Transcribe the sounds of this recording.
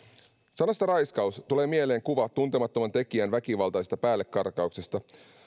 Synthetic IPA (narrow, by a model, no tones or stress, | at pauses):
sɑnost̪ɑɾɑjskɑust̪ule̞ːmie̞le̞ːŋkuʋɑt̪ːunt̪emɑt̪ːo̞mɑnt̪e̞kiænʋækiʋɑlt̪ɑjst̪ɑ̥pæːlːekːɑrkɑukse̞st̪ɑ